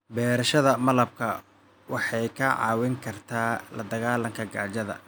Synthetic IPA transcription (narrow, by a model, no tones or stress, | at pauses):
bɛːɾɐʃɐðɐmɐlɐb̚kʰɐ | wɑħɑjkʰɐʕɑ̰ːwɪŋkʰɐrt̪ʰaːlɐ̰d̪ɐɣaːlɐŋkʰɐɡaʕt͡ʃɐðɐ̰